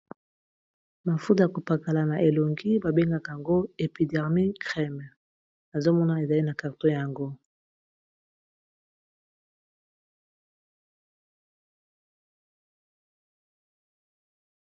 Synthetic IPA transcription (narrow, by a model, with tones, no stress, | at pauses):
ma˨fu˦ta˨ja˨ko˨pa˨ka˨la˨na˨ʔe˨lo˨ŋɡi˦ba˨be˦ŋɡa˦ka˨ja˨ŋɡo˦e˨pi˨dɛ˨ʁmi˦kʁɛ˦m˨ | na˨zo˦mɔ˦na˦e˨za˨li˦na˨ka˨ʁto˦ja˨ŋɡo˦